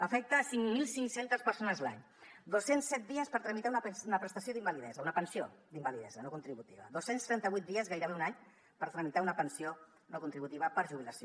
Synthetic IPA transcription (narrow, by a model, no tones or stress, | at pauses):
əfɛk̚t̪əːsiŋmilˠsiŋsent̪əspəɾsonəzla̰ɲ | d̪osːensːɛt̪̚d̪iəspəɾt̪ɾəmit̪aununəpɾəst̪asioðimbaliðɛzəunəpənsiod̪imbaliðɛ̰zənokunt̪ɾiβut̪ḭβə̰ðosenst̪ɾɛnt̪əβujt̪̚d̪iəzɣajɾəβeunaɲ | pəɾt̪ɾəmit̪aunəpənsio | nokunt̪ɾiβut̪iβəpəɾʒuβiləsio